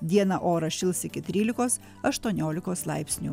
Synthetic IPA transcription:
d̪ʲiɛnɐʔoːɾɐʃʲɪlˠsɪkʲɪt̪ʲɾʲiːlʲɪkoːs | ɐʃt̪uɔnʲoːlʲɪkoːslˠɑ̰ɪpʲsʲnʲuː

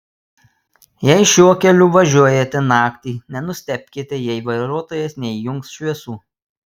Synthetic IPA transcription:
jɛɪʃʲuɔkʲɛlʲʊʋɐʒʲuɔjɛt̪ʲɛnɑːkt̪ʲiːnʲɛnʊsʲt̪ʲɛpʲkʲiːt̪ʲɛjɛɪʋɐɪɾuɔt̪oːjɛsnʲɛɪjʊŋksʃʲʋʲiɛsuː

